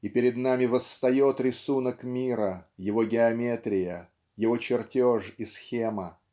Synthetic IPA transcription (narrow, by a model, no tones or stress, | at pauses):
ipʲɪɾʲɪd̪namʲɪvəst̪ɐjo̞t̪ɾʲɪsunəkmʲiɾəjɪvo̞ɡʲɪɐmʲet̪ɾʲɪjə | jɪvo̞t͡ɕɪrtʲoʐisxʲemə